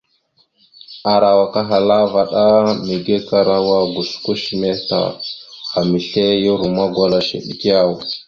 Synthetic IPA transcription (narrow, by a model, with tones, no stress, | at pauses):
a˨ɾa˨wa˨ka˦ɦa˨la˦va˨ɗa˦mi˨ɡe˦ka˦ɾa˦wa˦ɡu˨sku˦ʃi˨me˦ta̰˨a˨mi˨ɬe˦ji˦ɾu˨ma˦ɡʷa˨la˨ʃḛ˨ɗi˨ki˦ja˦˨w